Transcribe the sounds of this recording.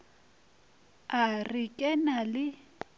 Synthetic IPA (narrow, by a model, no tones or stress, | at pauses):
arɪkʼɛnalɪ